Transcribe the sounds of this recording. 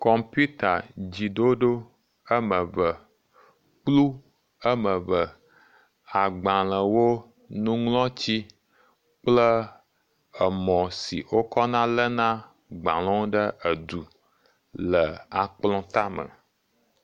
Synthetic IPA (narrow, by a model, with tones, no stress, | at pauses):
kɔ˦mpu˦t̪a˨d͡ʑi˨ɖo˦ɖo˦ | ə˦mə̃˨və˨ | k͡plu˦ | ə˦mə̃˨və˨ | a˨ɡ͡bã˨lə̃˨wo˦ | nũ˦ŋlɔ̃˦t͡ɕi˦ | k͡plə˦ | ə˨mɔ̃˨sḭ˨wo˦kɔ˦nã˦lə˦nã˦ | ɡ͡bã̰˨lɔ̃˦wo˦ɖə˦ə˨d̪u˨ | lə˨a˨k͡plɔ̃˦t̪a˦mə̰̃˨